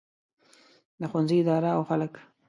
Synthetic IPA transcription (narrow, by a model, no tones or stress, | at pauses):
d̪əxwanziɪd̪ɑɾaawxalək